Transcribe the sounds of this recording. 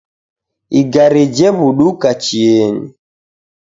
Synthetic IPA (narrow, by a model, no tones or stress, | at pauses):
iɡaɾid͡ʒɛβuɗukat͡ʃiɛɲḭ